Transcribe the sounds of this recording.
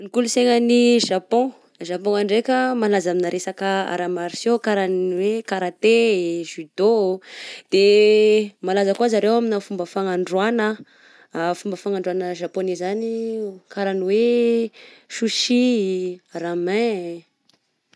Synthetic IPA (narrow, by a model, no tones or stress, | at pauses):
nikuluseŋəniʒapɔ̃ | ʒapɔ̃aɳɖ͡ʐekʲəmalazaminaɾʔesakəa̰ɾamaɾisjokaɾanwekaɾat̪eʒyd̪o | d̪̥e | malazakuazaɾewaminafumbəfaŋaɳɖ͡ʐwanə | fumbəfaŋaɳɖ͡ʐanəʒaponizanikaɾaniwe | ʃuʃi | ɾamɛ̃